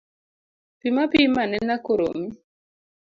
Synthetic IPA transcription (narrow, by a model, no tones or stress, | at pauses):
pimapimanɛnakoɾo̰mi